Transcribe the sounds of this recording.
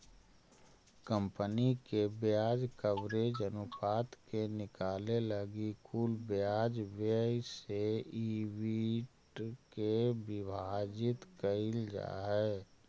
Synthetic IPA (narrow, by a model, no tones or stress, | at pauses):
kə̃mpənikebjaːd͡ʒkəbɾed͡ʒənupaːt̪kenɪkaːleləɡikʰuːlbjad͡ʒbseiwiʈkebɪbʱad͡ʒɪt̪kəɪld͡ʒa̰ːɦɛː